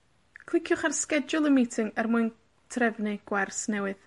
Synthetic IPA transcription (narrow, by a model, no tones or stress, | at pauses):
kʰl̥ˠɪkʰjʊχarskɛd͡ʒʊlˠəmitʰɪŋɛrmuɨn | tʰrɛvnɨɡ̥warsnɛwɨð